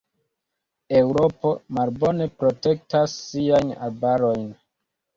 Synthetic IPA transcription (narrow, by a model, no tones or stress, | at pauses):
e̞wɾo̞po̞malbo̞ne̞pɾo̞te̞k̚tasːiajna̰lbaɾo̞jn